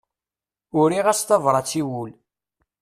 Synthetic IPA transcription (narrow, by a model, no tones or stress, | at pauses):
ʊɾiʁæst̪ɑvɾˤɑt͡sːiwul